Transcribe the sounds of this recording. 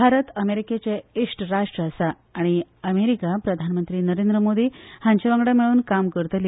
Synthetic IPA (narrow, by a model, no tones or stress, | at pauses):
bʱaɾət̪əmeɾiket͡seesʈɾaʂʈɾəːsaː | ɽ̃iəmeɾikapɾəd̪ʱanmənt̪ɾiːnəɾend̪ɾəmod̪iːhãɲt͡ɕeʋə̃ŋɡɽamiɭuːnkamkəɾt̪l